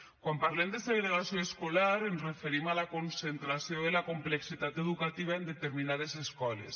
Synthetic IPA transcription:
kwampaɾlemd̪est̪aðeleɣ̞asjoeskolaɾenzrefeɾimalakonsent̪ɾasjoelakompleksit̪at̪eðukat̪iβ̞aend̪et̪eɾminað̞eseskɔlḛs

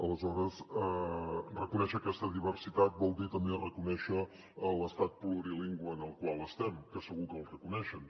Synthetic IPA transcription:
ələzɔɾəsərəkunɛʃəːkɛst̪əðiβ̞ərsit̪at̪̚bɔlˠd̪it̪əmberəkunɛʃəː | lˠəst̪at̪̚pluɾiliŋɡwəːnəlˠkwalˠəst̪ɛmkəsəɣukəlˠrəkunɛʃən

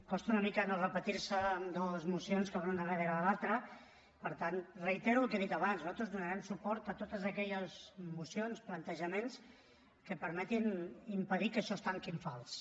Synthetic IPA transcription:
kɔst̪uunəmikənorəpət̪iɾsəːmd̪ɔzmusionskəβanunəβəðeɾaːlalˠt̪ɾə | pəɾt̪anrəit̪ɛɾuəlˠkeðit̪ɐβansnuzalˠt̪ɾuzðunəɾɛmsupɔɾt̪ət̪ot̪əzəkɛʎəzmusionsplənt̪əʒəmens | kəpəɾmɛt̪inimpəðikəʃɔst̪aŋkiɱfalˠs

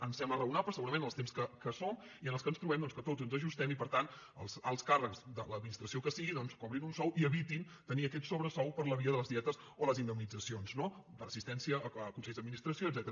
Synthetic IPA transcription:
ənsɛmblərəunapɾsəɣuɾəmẽnəlˠt̪emskəkəsom | iənəlˠskənst̪ɾuβɛmd̪ɔnskət̪ozənzəʒust̪ɛmipəɾt̪ant̪ | əlˠsəlˠskarəkzd̪ələd̪minist̪ɾəsiokəsiɣiðɔnskɔβɾinunsɔwiəβit̪in | t̪əniəkɛt̪soβɾəsɔwpəɾləβiəðələzðiɛt̪əz | oləzind̪əmnid͡zəsionzno | b̪ərəsist̪ɛnsiəːəkunsɛʎzðəd̪minist̪ɾəsijoəd̪zɛt̪əɾə

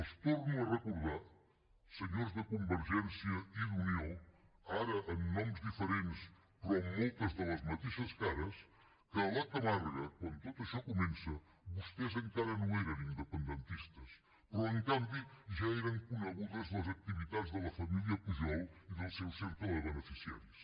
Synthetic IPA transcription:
ɐʃt̪oɾnũw̃ɐrɨkuɾðaɾ | sɨɲoɾzðɐkõmbɨɾʒẽnsjɐiðuniowaɾɐʔɐ̃j̃nɔ̃mzðifɨɾẽnt̪ɨʃ | pɾomujt̪ɐzðɨlˠɐzmɐt̪iʃɐʃkaɾɐʃ | kɨɐlˠat̪ɐmaɾɣɐkwɐ̃nd̪ut̪oðuɐʃɔkumẽnsɐ | βuʃt̪ezɐ̃ŋkaɾɐnũɛɾɐ̃w̃ĩnd̪ɨpẽnd̪ẽnt̪iʃt̪ɐʃ | pɾɔẽŋk̪ãnd̪juʒaɛɾɐ̃w̃kunɐɣuðɐzðɐzɐk̚t̪iβiðaðzðɨlˠɐfɐmilˠjɐpuʒɔlˠiðɨlˠsewseɾt̪ɐlɐβənɨfisia̰ɾjuʃ

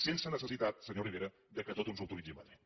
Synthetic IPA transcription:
sensənəsəsit̪at̪səɲoriβ̞eɾə | d̪əkət̪ot̪unzuwt̪ulid͡ʒiəməðɾit̪

